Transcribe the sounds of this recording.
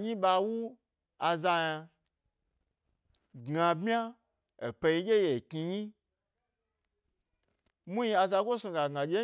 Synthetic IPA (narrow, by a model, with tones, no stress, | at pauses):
ɲĩ˦ɓa˧wu˦ | a˧za˧ja˧ | ɡã˧bmʲ˦a˦ | e˨pe˧ji˧˦ɡʲe˦je˨ki˧ɲĩ˦ | mũ˦ji˧a˧za˧ɡʷo˦so˧ɡa˨ɡã˨d͡ʒʲe˦